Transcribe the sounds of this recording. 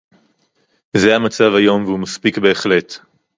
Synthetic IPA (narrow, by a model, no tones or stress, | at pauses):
zeamat͡savhajo̞mvehumaspikbe̞ːχle̞t